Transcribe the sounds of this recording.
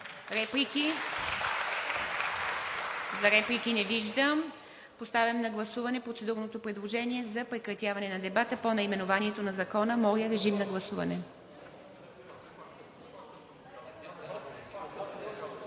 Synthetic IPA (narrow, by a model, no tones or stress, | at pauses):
ɾɛpliki | zɐɾɛplʲikinɛviʒd̪əm | post̪avʲɐmnɐɡlˠɐsuvɐnɛpɾot̪sɛd̪uɾnot̪opɾɛd̪lˠoʒɛniɛzɐpɾɛkɾɐt̪javɐnɛnɐd̪ɛbat̪əponɐimɛnovaniɛt̪onɐzɐkɔnəmɔɾjəɾɛʒimnɐɡlˠɐsuvɐ̰nɛ